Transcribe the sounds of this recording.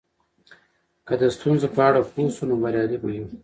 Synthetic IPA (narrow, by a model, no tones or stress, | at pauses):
kəd̪əst̪unzopəaɽapusunobaɾjɑd̪iboji